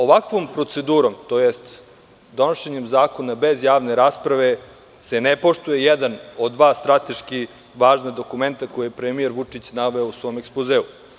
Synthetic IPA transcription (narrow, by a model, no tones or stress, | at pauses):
o̞ʋakʋo̞mpɾo̞t̪se̞d̪uːɾo̞mt̪ojest̪ | d̪o̞noʃeɲemzaːko̞nabe̞zjaːʋne̞ɾaːspɾaʋe̞ | se̞nepo̞ʃt̪ujejɛd̪ano̞d̪d̪ːʋaːst̪ɾat̪e̞ʃki | ʋaːʒnad̪o̞kume̞nt̪ako̞jejepɾemieɾʋut͡ʂit͡ɕnaʋe̞ousʋo̞mekspozeːu